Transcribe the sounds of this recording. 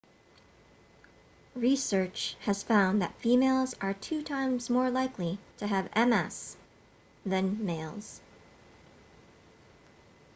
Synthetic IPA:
ɹisɜ˞t͡ʃhɨz̥fãʊ̃nðɨ̰tfimeɪlˠzə˞tʰʉtʰãɪ̃mzmɔɹlaɪkʰliɾʰɨːvɛ̃mɛs | ðɨ̃nmeɪlˠz̥

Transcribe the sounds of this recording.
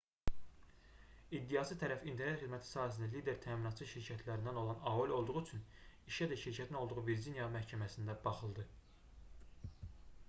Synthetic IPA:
id̪ːijɑsɯt̪ʰæɾæfint̪ʰeɾnet̪χid̪mæt̪ʰi̥sɑːɦæs̬ind̪ælid̪e̞ɾt̪ʰæːminɑt̪t͡ʃʰɯʃiɾcʰæt̪ʰlæɾind̪æno̞lˠɑnɑulʲo̞lˠd̪uʁuyt͡ʃʰyniʃæd̪æʃiɾcʰæt̪ʰino̞lˠd̪uʁuveɾd͡ʒinjɑmæhcʰæmæsind̪æbɑχɯlˠd̪ɯ

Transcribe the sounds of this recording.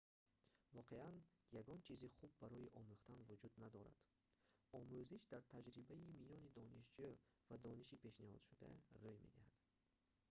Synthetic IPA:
vɔqʰe̞ʔanjaɡɔnt͡ʃʰiziχub̚ːaɾɔjiʔɔmuχt̪anvud͡ʒud̪nad̪ɔɾa̰d̪̥ | ɔmuziʃd̪aɾt̪ʰad͡ʒɾibaimijɔnid̪ɔniʃd͡ʒyvad̪ɔniʃipʰe̞ʃnihɔ̰d̪̥ʃud̪a̰rojmed̪ihad̪̥

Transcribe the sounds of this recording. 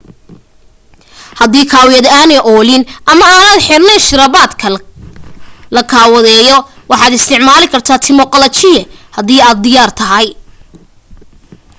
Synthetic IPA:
hɐðiːkʰaːwɪjɐd̪aːnɛjʔɔːlɪnʔɐmɐaːnaːd̪ħɪrnɛjʃɪɾɐβaːd̪kʰɐ | lɐkʰaːwɐðɛːjɔ | wɑħɑːd̪ɪst̪ʰɪʕmaːlɪkʰɐrt̪ʰaːt̪ʰɪmɔqɔlɐt͡ʃɪjɛhɐðiːaːd̪̚d̪ɪjaːrt̪ʰɐɦɐj

